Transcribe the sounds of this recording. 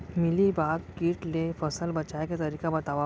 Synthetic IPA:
milibaɡkiːʈlefəsəlbət͡ɕajkat̪əɾikabət̪aʋa

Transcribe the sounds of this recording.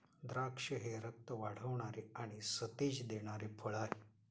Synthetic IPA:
d̪ɾakʂəɦeɾək̚t̪əʋaɽ̤əʋɳ̃aɾeaɽ̃isət̪ed͡ʑd̪eɽ̃aɾepʰəɭaɦe

